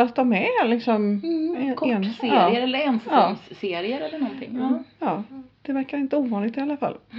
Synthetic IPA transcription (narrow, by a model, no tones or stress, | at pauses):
att̪ːɔmɛlɪksɔmɛkʰːnseɑːɾːɪəɾɛlːəɾɛnsɑːmsːeːɾɪəɾɛlːəɳɔnt̪ʰɪ̰ŋːɑːjɑːd̪̥ɛvæɾkaɾɪnt̪əuːvɑːnlɪɡt̪ɪalːafa̰lː